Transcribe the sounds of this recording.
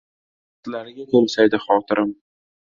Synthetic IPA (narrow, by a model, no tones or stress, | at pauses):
t̪laɾɪɡʲakʰomsajd̪ɪχɒːt̪ʰɪɾʔɪm